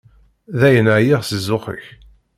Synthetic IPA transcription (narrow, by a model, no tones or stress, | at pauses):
ðæjənəʕjiʁsəzːʊχə̰ç